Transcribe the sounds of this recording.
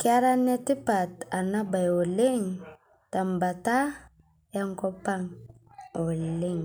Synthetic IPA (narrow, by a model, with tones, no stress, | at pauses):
ka˦ɾa˦nɛ˦ti˦pa˨ta˨na˦ba˨jo˨le˦ŋ | ta˨mba˨ta˦ | a˦ŋkɔ˦pa˦ŋ | o˨le˦ŋ